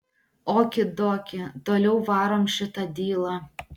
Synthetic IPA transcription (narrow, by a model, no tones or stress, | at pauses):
oːkʲɪd̪oːkʲɪt̪oːlʲɛʊʋɑːɾoːmʃʲɪt̪ɐd̪ʲiːlˠɑ